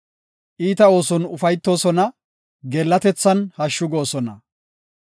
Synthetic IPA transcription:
ʔiːt̪ɐo̞ːsɔnʊfɐjt̪ːo̞ːsɔnɐ | ɡɛlːɐt̪ɛt͡sːɐnhɐʃːʊɡo̞ːsɔnɐ

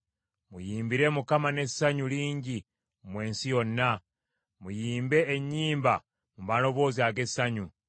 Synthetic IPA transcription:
mujiːmbiɾe̞mukamane̞ssaɲuliːɲɟi | mwe̞ːnsijo̞nːa | mujiːmbe̞ːɲːiːmba | muβano̞βo̞ːziaɡe̞saɲu

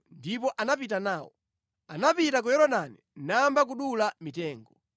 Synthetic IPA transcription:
ndipɔʔanap̬itanaːwɔ | anapitak̬ɔjɔɾɔɗaninambak̬uɗulamitɛːŋɡɔ

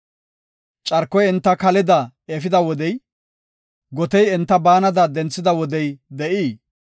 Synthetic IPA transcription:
t͡ʃʼɐɾkːɔjɛnt̪ːɐkɐlɪd̪ɐ | ɛfɪd̪ɐwɔd̪ɛj | ɡɔt̪ɛjɛnt̪ːɐbaːnɐd̪ɐd̪ɛnt͡sːɪd̪ɐwɔd̪ɛjd̪ɛʔiː

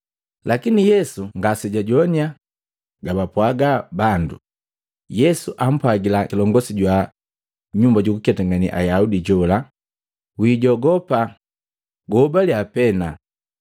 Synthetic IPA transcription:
lakinijɛsuŋɡasɛɟaɟɔnia | ɡabapwaɡabandṵ | jɛsuʔam̩pwaɡilakilɔŋɡɔsiɟwa | ɲumbaɟukukɛtaŋɡanḭʔa̰jaudiɟɔla | wiːɟɔɡɔpa | ɡɔbaliapɛna

